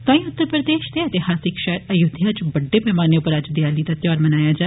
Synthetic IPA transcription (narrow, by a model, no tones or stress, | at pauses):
sãːĩːʊt̪ːəɾpɾəd̪eːʃd̪eːət̪ehaːsɪkʃɛːɾəjʊd̪ʱjaːt͡ʃbəɖːeːbɛːmaːneʊpəɾad͡ʒd̪ɪjaːliːd̪aːt̪jɔːɾmənaːjaːd͡ʒaː